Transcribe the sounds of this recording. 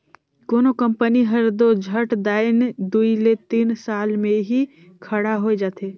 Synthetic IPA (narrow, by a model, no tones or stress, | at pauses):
koːnokə̃mpəniɦəɾd̪od͡ʒʱəʈd̪aːɪnd̪uilet̪iːnsaːlmẽɦi | kʰəɽaɦoed͡ʒaːt̪eː